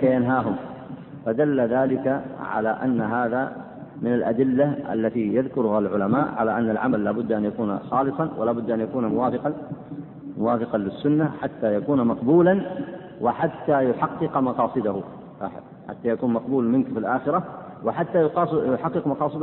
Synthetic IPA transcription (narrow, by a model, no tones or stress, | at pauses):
kajanɦaːɦʊm | fad̪alːaðaːlɪkaʕa̰laːʔa̰nːaɦaːða | mɪnalʔa̰d̪ɪlːaʔa̰lːat̪ijaðkʊɾʊhalʕʊlamaːʔʕa̰laʔanːalʕamalːaːbʊd̪ːʔanjakuːna̰xɑːlɨsˤɑnwʔɪ̰laːbʊd̪ːʔanjakuːnamʊwaːfɪqɑ | mʊwaːfɪqɑlɪsːʊnːaħat̪ːaːjakuːnmɑqbuːlan | wɪħat̪ːajʊħɑqːɨqmɑqɑːsˤɨd̪ahʊˤ | ɑ̰ːħɪ̰ | ħa̰t̪ːaːjakuːnmɑqbuːlmɪnkfilʔaːxɪɾa | wɪħat̪ːajʊqɑːsjʊħɑqːɨqmɑqɑːsˤɨd̪